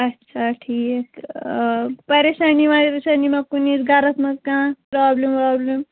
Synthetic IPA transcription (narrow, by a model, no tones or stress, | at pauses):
ɐtːʃʰaʈʰik | pɐɾesanimãɾesanimakunisɡʱaɾɐt̪mɐ̃kãːpɾaːblempɾaːblem